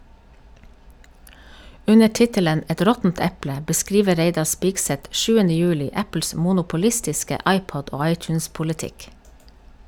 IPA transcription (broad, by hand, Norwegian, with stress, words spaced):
ˈʉnə ˈʈɪtələn ˈɛt ˈɾɔtn̩t ˈɛplə bəˈskɾiːʋə ˈɾeɪdɑ ˈspiːɡsɛt ˈʃʉːənə ˈjʉːlɪ ˈæpl̩s ˌmuːnʊpʊˈlɪstɪskə ˈʔɑɪˌpɔd ˈoː ˈɑɪˌtjnspʊlɪˌtɪk